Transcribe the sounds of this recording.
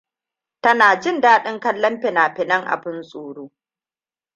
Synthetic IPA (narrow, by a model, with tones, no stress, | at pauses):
tɐ˦naː˨d͡ʒɪ˦ndaː˦ɗɪ˦ŋkɐ˦lːɐ˦mɸɪ˨naː˨ɸɪ˨nɐ˦ŋʔa̰˨bɪ˦nsʼuː˨ɽuː˦